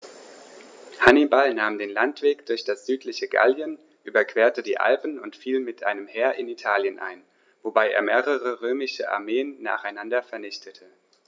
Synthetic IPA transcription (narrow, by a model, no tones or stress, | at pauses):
hanibalnaːmdeːnlantv̥eːkd̥ʊɐçd̥asz̥yːtʰlɪçəɡa̰ljən | ʔyːbɐkv̥eːɐtədiːʔa̰lpn̩ʊntfiːlmɪtʔa̰ɪnəmhɛːɐʔɪnitʰaːljənʔa̰ɪn | vobaɪʔḛːɐmeːʁəʁəʁøːmɪʃəʔa̰ɐmeːənːa̰ːχaɪnandɐfɛɐnɪçtʰətʰə